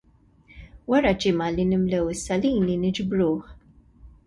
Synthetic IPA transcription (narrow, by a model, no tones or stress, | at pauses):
wɐɾɐd͡ʒɪmɐlinɪmlɛwɪsːɐliːninɪd͡ʒbɾuːħ